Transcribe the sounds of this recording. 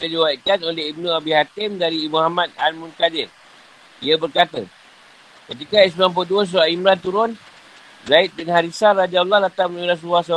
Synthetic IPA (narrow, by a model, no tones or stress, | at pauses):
t̪adiwaiʔ̪̚kanoleɦib̚nũabihat̪ɪmdaɾiːmuhamat̪̚almũnkadɪr | iəbərkat̪ə̰ | kət̪ikais̬mamp̬oduəs̬uaimɾant̪uɾʊn | zait̪̚bɪnhaɾisarad͡ʒaulːahlat̪amniɾas̬uasa